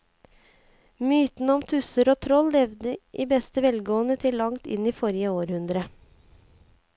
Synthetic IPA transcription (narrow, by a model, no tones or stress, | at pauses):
myːt̪n̩ɔmt̪ʰʉsəɾoːt̪ʰɾɔlːɛʋd̪əʔiːbɛst̪əʋɛlɡoːənət̪ʰɪlːɑŋt̪ɪ̰niːfɔɾɪəoːɾhʉnd̪ɾə